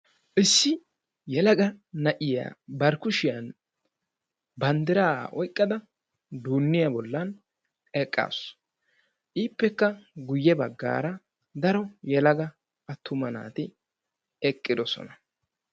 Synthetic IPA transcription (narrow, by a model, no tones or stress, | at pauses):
ʔɪsːɪ | jɛlɐɡɐnɐʔɪja̰ːbɐɾkʊʃɪjan | bɐnd̪ɪɾaːʔɔjkʼːɐd̪ɐ | d̪uːnːɪjɐbɔlːɐn | ɛkʼːa̰ːs | ʔiːpːɛkːɐɡʊjːɛbɐɡːa̰ːɾɐ | d̪ɐɾɔjɛlɐɡɐ | ʔɐt̪ʰːʊmɐna̰ːt̪ɪ | ɛkʼːɪd̪ɔsɔ̰nɐ